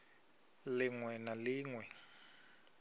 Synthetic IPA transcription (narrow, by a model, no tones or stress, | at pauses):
lɪŋwɛnaliːŋwɛ